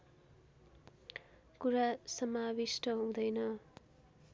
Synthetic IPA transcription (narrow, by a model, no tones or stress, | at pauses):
kuɾasʌmabisʈʌɦũd̪ʌjnʌ